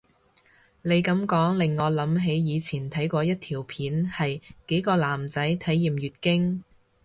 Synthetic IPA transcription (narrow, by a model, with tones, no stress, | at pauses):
ne˨˧jkɐ˨˥mkɔː˨˥ŋlɪ˨ŋːɔː˨˧lɐ˨˥mɦe˨˥jjiː˨˧t͡sʰiː˨˩nt̪ʰɐ˨˥jkʷɔː˧jɐ˥t̚t̪ʰiː˨˩wpʰiː˨˥nhɐ˨jke˨˥jkɔː˧laː˨˩mt͡sɐ˨˥jt̪ʰɐ˨˥jːiː˨mjyː˨t̚kɪ˥ŋ